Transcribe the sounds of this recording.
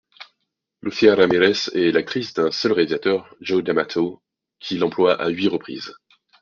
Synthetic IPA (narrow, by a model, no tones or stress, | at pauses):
lʔosiaɾameʁɛsɛlak̚t̪χisd̪ɛ̃sœlʁealizat̪œʁʒod̪amat̪ʰo | kʲʰilɑ̃plwaʔa̰ɥiʁəpχḭːz